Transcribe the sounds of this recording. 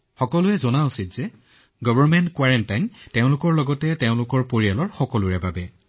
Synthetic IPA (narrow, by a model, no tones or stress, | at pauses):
xɔkɔlʊɛzɔnausitz̥ɛ | ɡɔbʱɔɹmɛntkwaɹɛntajnteʊ̃lʊkɔɹlɔɡɔtɛteʊ̃lʊkɔɹpoɹialɔɹxɔkɔlʊɹɛbabɛ